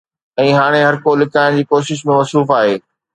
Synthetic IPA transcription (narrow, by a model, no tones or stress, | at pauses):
ɛ̃ːɦaːɽ̃eɦɐɾkoːlɪkaːɪ̃d͡ʑiːkoːʃɪʃ̬mẽmɐsuːfaːɦeː